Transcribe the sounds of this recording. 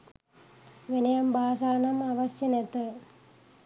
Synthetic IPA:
ʋinɐjɐmbʱaːsaːnɐmɐʋɐɕjɐnet̪ːɨ

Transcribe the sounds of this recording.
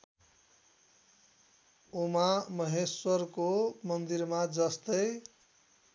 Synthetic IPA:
omamʌɦeswʌrkomʌnd̪iɾmad͡zʌst̪ʌj

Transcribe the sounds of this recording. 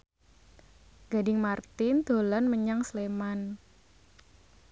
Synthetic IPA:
ɡ̥adɪŋmart̪ɪnd̪̥o̤lanməɲaŋsleman

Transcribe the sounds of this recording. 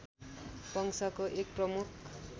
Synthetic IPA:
pʌŋsʌkoʔek̚prʌmukʰ

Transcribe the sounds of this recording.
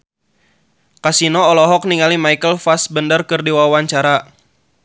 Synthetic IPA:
kasinɔːlɔɦɔk̚niŋalimajkəlfasbəndərkərdiwawaɲt͡ʃaɾa

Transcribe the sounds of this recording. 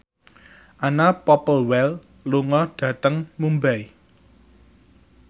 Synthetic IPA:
ʔanapɔpəlwɛl | luŋɔɖ̥ä̤t̪əŋmumbai

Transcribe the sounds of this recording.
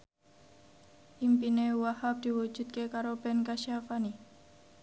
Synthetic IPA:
ʔimpinewahap̚d̪̥i̤wu̥d͡ʒ̥ṳt̪̚kekaɾob̥ɛ̤nkaʃiafani

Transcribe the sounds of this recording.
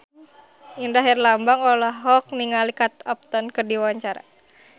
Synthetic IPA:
indaɦirlambaŋɔlaɦɦɔk̚niŋalikat̪ap̚t̪ɔnkərdiwawaɲt͡ʃaɾa̰

